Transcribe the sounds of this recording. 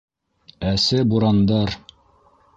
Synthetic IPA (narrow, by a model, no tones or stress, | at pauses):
æsɘbuɾɑnd̪ɑɾ